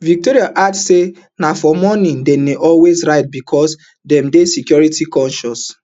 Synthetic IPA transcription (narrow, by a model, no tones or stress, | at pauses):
vik̚toɾiaʔadsse | nafɔmɔnĩndɛneʔɔlwezɹaɪt̚bikʰɔs | dɛ̃mdesikjɔɹitikɔ̃nʃɔs